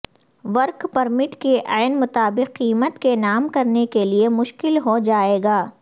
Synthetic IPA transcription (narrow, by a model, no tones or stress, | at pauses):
ʋɐɾkpɐɾmɪʈkeʔaːɪnmʊt̪aːbɪqːiːmət̪kenaːmkɐɾnekeliemʊʃkɪlɦod͡ʒaːeːɡaː